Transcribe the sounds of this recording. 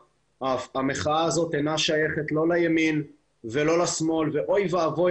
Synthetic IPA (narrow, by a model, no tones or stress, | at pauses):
ʔafameχaaːzo̞t̪enaʃaje̞χet̪lo̞lajamin | velo̞lasmo̞lveʔo̞jvaːvo̞